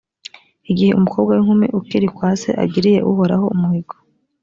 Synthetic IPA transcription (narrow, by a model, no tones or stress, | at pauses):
iɡiheʔumukʰo̞ːbɡwawiŋ̥humiʔukiɾikwaːse̞̰ʔa̰ɡiɾije̞̰ʔṵɦo̞ɾaɦo̞umuhiɡo